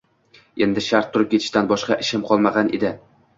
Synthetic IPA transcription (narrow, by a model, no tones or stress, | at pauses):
e̞nd̪ɪʃaɾt̪ʰːʊɾɪp̚kʰʲet̪ʰɪʃt̪anbɒʃqɑʔɪʃɪmqʰɒlˠmaʁɑnʔḛd̪ɪ